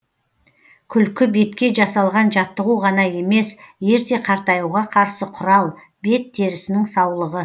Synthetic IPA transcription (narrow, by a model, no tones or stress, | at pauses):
kʲʰʏlkʲɪbe̞t̪kʲe̞ʒɑsɑlˠʁɑnʒɑt̪ːəʁuʁɑnɑje̞me̞sje̞ɾt̪e̞qʰɑɾt̪ɑjuʁɑqʰɑɾsəqʰʊɾɑlˠ | be̞t̪̚d̪e̞ɾɪsɪnɪŋsɑwlˠəʁə